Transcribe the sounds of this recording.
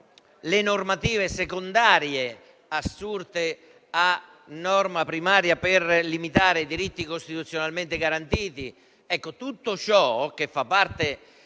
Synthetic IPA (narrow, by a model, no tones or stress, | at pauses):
lɪnʊrmat̪iːvɪsekond̪aːɾje | asːurt̪ɪ | a | nːɔrmapɾimaːɾjapɪrlimit̪aːɾeid̪iɾit̪ːikost̪it̪ut̪sːjonalment̪ɪɡaɾant̪iːt̪i | ɛkːot̪ut̪ːʊt͡ʃɔk̟efːapːart̪e